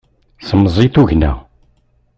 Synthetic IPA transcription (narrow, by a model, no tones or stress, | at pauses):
səmːəzˤit̪uʝnæ̰